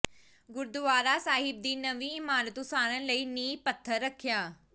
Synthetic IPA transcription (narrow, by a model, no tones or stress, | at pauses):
ɡʊɾd̪ʊʋaːɾaːsaːɦɪb̚d̪iːnəʋiːɪmaːɾət̪ʊsaːɾə̃ləiːniːpət̪ʰːəɾːəkʰːɪjaː